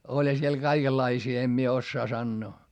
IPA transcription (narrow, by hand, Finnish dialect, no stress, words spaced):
olʲhɑ siel kɑikelːɑisiː em mie osːɑː sɑnːoː